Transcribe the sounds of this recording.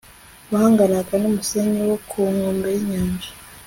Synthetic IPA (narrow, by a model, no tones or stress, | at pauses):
wahaŋɡanakanumuseɲewokʰuŋuːmbejiɲaːɲd͡ʒḁ